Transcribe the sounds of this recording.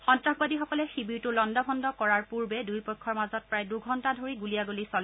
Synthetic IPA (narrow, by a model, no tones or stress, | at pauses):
xɔntɹaxbadixɔkɔlɛxibiɹtʊlɔndɔbʱɔndɔkɔɹaɹpuɹbɛdujpɔkʰːɔɹmazɔt̚pɹajduɡʱɔntadʱoɹiɡulijaɡolisɔl